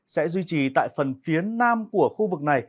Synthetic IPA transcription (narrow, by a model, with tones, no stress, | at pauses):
sɛ̰˧˥zwi˧t͡ɕi˨˩t̪a̰ː˧˨jfə˨˩nfi˨˦ənaː˧mku˧˩əxu˧vɨ˨˩k̚na˨˩j